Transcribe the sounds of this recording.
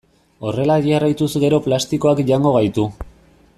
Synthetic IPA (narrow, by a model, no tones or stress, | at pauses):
o̞re̞laðiarajt̪usɣe̞ɾo̞plast̪iko̞akʝaŋɡo̞ɣajt̪u